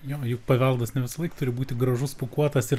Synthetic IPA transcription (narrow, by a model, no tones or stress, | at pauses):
joːjʊkpɐʋʲɛlˠd̪ɐsnʲɛʋʲɪsɐlˠɐɪkt̪ʊɾʲɪbuːt̪ʲɪɡɾɐʒʊspʊkuɔt̪ɐsɪr